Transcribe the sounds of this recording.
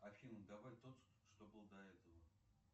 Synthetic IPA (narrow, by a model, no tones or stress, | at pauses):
ɐfʲind̪avajt̪ot̪ | ʂt̪obɨlˠd̪ɐɛt̪əvə